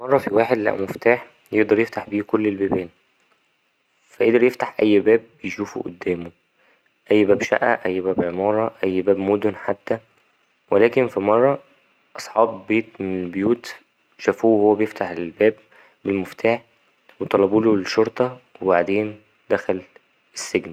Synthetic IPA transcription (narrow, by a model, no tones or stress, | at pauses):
mɑrˤːɑfiwaːħed̪læ̰ʔmeft̪aːħ | jeʔd̪ˤɑɾˤjeft̪aħbiːkolːelbæːbæːn | fæʔed̪eɾjeft̪aħʔæjːbæːb̚ːejʃuːfṵʔo̰d̪ːæːmo | ʔæjːbæːbʃæ̰ʔʔæ̰ʔæjːbæːbʕemɑːɾˤɑʔæjːbæːbmod̪onħat̪ːæ | welæːkenfimɑrˤːɑ | ʔɑsˤħɑːbːeːt̪menelbejuːt̪ | ʃæfuːhowːæbejeft̪aħelbæːbː | elmoft̪ʰaːħ | wet̪ˤɑlːɑbuːloʃoɾˤt̪ˤɑwebaʕd̪eːn | d̪æxæl | esːeɡni